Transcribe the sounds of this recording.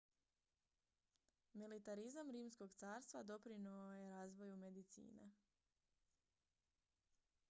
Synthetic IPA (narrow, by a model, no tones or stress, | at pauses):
milit̪aɾizamɾiːmsko̞ɡt̪saːɾst̪ʋad̪o̞pɾinuoje̞ɾaːzʋo̞jume̞d̪it̪sḭːnḛ